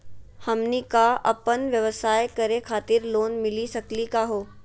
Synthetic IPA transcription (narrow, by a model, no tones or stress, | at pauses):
hɐmnikaɐ̰pənʋjɐʋəsaːjkɐɾekʰaːt̪ɪɾloːnmɪlisɐklikaɦoː